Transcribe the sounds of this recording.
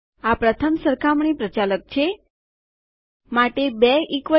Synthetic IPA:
apɾət̪ʰəmsəɾkʰamɳ̃ipɾət͡ʃalək̚t͡ʃʰe | maʈebɛɪkʋə

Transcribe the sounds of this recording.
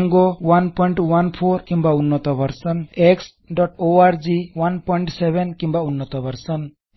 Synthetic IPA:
ŋɡowanpɔjɳʈwanpʰoɾkĩmbaunːɔt̪ɔbəɾsəneks | ɖɔʈoaɾd͡ʒiwanpɔɳʈseβenkimbaunːɔt̪ɔbəɾsən

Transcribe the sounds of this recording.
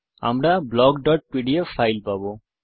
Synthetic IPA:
a̰mɾablɔɡɖɔʈ̚piɖiefʰajlpabo

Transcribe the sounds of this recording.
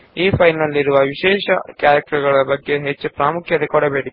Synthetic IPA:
iːpʰɐjnɐlːiɾuʋɐʋiʃeːʃɐkjaːɾɐk̚ʈɾɐɡɐɭɐbɐɡːe̞ɦet͡ʃːupɾaːmukʰjɐt̪ekɔɽɐbeːɽi

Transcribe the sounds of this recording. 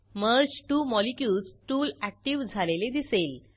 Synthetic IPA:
məɾd͡ʑʈuːmɔlikjuːd͡zʈuːlæk̚ʈiʋd͡zʱaleled̪isel

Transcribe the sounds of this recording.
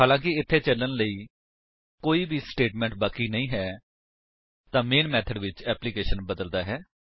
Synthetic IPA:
haːlãːkɪɪt̪ʰːeːt͡ʃələnləiː | koːiːbiːsʈeːʈmɛ̃ːɳʈbaːkiːnəĩːɦɛː | t̪ãːmeːnmɛːt̪ʰəɖʋɪt͡ʃɛːplikeːʃənbəd̪əld̪aːɦɛː

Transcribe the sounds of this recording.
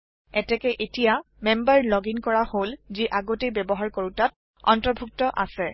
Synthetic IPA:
ɛtɛkɛʔetija | mɛmbaɹlɔɡinkɔɹaholziʔaɡotejbɛbɔɦaɹkoɹutat̚ | ɔ̰ntɔɹbʱuk̚tɔʔa̰sɛ

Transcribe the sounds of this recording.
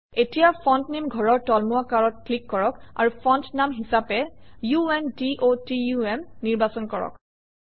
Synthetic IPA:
etijapʰɔntnimɡʱɔɹɔɹtɔlmuakaɹɔt̚klikːɔɹɔka̰ɹupʰɔntnamɦisapɛjuɛndiʔotijuɛmniɹbasɔnkɔɹɔ̰k

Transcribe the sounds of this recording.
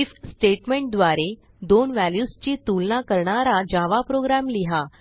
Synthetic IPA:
ifsʈeʈmeɳʈ̚d̪ʋaɾe | d̪onʋæljust͡ɕiːt̪ulnakəɾɳaɾad͡ʑaʋapɾoɡɾæmliɦa

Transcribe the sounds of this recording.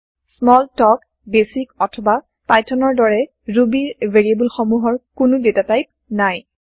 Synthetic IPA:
smɔltɔk | besikɔtʰɔba | pajtʰɔnɔɹdɔɹɛ | ɹubiɹvʱeɹiebulxɔmuɦɔɹkʊnʊdetatajp̚ | naj

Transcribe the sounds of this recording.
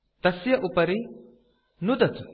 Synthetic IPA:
t̪ɐsjɐʔupɐɾi | nud̪ɐt̪u̥

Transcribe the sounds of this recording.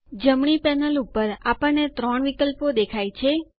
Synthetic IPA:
d͡ʒəmɳipɛnəlupəɾapəɳːet̪ɾɔɳʋikəlpod̪ekʰajt͡ʃʰe

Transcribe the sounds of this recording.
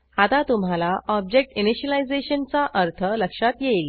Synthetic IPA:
hat̪at̪um̤alaɔb̚d͡ʑek̚ʈiniɕəlajd͡zeɕənt͡saʔəɾt̪ʰələkʂat̪jel

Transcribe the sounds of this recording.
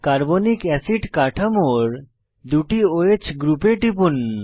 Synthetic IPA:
kaɾbonikɛsiɖkaʈʰamoɾ | d̪uʈioet͡ɕʰɡɾupeʈipun

